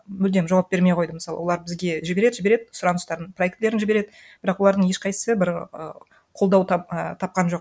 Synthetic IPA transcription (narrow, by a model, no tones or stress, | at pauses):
mɵld̪e̞mʒɑwɑp̚be̞ɾme̞jqʰojd̪əmɪsɑlˠə̰wo̞lˠɑɾbɪzɡʲe̞ʒɪbe̞ɾe̞d̪ɪʒɪbeɾe̞d̪ɪsʊɾɑnəst̪ɑɾənprojekt̪le̞ɾɪnʒɪbe̞ɾe̞d̪ɪ | b̥ɪɾɑqwolˠɑɾd̪əɴje̞ʃqʰɑj̪əsəbɪɾə̰ | qʰo̞lˠd̪ɑw̪ət̪ʰɑp̚qɑnʒo̞q̚